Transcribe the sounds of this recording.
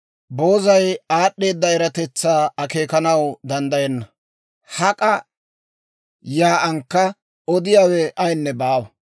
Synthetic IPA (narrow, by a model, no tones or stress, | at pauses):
bo̞ːzɐjaːɗːe̞ːd̪ːɐɛɾɐt̪ɛt͡sːaːɐke̞ːkɐnɐwd̪ɐnd̪ɐjɛnːɐ | hɐkʼɐ | jaːʔɐŋkːɐ | ɔd̪ɪjaːwɛʔɐjnːɛbaːwɐ